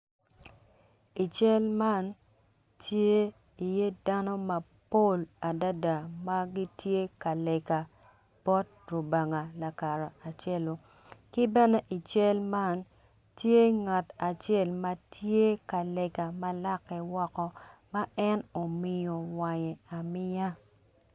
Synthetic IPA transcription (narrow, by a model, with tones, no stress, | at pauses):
i˨t͡ʃɛ˦lma˦n | tje˦ | i˨je˦da˦nɔ˦ma˨ | po˦˨la˨da˦da˨ma˦ɡi˦tje˦ka˨lɛ˨ka˨ | b̥ɔ˦t̚ | ro˨ba˨ŋa˨la˨ka˨ɾa˨a˨t͡ʃe˦lo˨ | kɪ˦bɛ˦nɛ˦ʔi˨t͡ʃɛ˦lma˦n | tje˦ŋa˨ta˨t͡ʃe˦˨lma˦tʰje˦ka˨lɛ˨ka˨ma˦la˦kːɛ˨wɔ˦kɔ˨ma˦ɛ˦no˨mɪ˨jo˨wa˨ɲɛ˨a˨mɪ˦ja˦